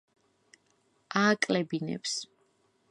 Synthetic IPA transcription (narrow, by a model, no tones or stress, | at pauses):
aːkʼlɛbinɛ̰ps